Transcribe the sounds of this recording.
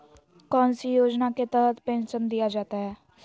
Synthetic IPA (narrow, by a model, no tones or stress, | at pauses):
kɔ̃ːnsijoːd͡ʒnaket̪əɾət̪pẽːnʃənd̪ijad͡ʒaːt̪aɦɛː